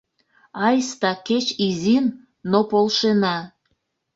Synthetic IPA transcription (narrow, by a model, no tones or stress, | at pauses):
ɑjst̪ɑket͡ɕizinː | opolʃenɑ